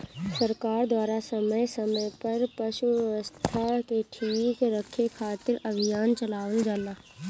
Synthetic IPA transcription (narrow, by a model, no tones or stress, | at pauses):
səɾkaːɾd̪waːɾasəməjsəməjpəɾpəʃuɛʋəst̪ʰakeʈʰiːkɾəkʰːekʰaːt̪ɪɾəbʱijaːnt͡ʃəlaːʋəld͡ʒaːlaː